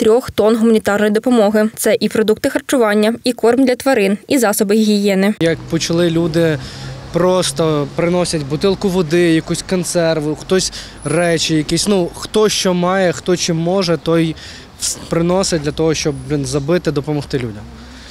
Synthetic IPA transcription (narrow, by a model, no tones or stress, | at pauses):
t̪ɾʲɔxt̪ɔnɦʊmɐnʲit̪ɑrnɔjid̪ɔpɔmɔɦɪt̪sɛʔipɾɔd̪uk̚t̪ɪxɐrt͡ʃʊʋɑnʲːɐikɔrmd̪lʲɐt̪ʋɐɾɪnizɑsɔbɪxɦʲijɛnɪjɐkpɔt͡ʃɐlˠɪlʲud̪ɪpɾɔst̪ɔpɾɪnɔsʲɐtʲbʊt̪ɪlˠkʊʋɔd̪ɪjɐkusʲkɔnt̪sɛrʋʊxt̪ɔsʲ | rɛt͡ʃɪjɐkisʲnuxt̪ɔʃt͡ʃɔmɑjɛxt̪ɔt͡ʃɪmːɔʒɛt̪ɔj | pɾɪnɔsɪdʲlʲɐt̪ɔɦɔʃt͡ʃɔbʲinzɐbɪt̪ɪd̪ɔpɔmɔxt̪ɪlʲudʲɐm